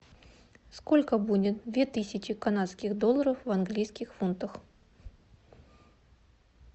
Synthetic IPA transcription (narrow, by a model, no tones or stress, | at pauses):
sko̞lʲkəbudʲɪt̪̚d̪vʲet̪ɨsʲɪt͡ɕɪkanat̪skʲɪɣd̪olˠːəɾəfvɐnɡlʲijskʲɪxfunt̪əx